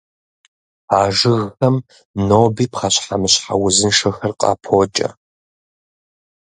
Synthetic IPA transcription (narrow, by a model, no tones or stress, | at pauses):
aːʐɨɣɐm | noːbiːpχɐɕħamɨɕħa̰wʊzɨnʂɐxɐrqʼɑ̰ːpʰoːt͡ʃʼɐ̰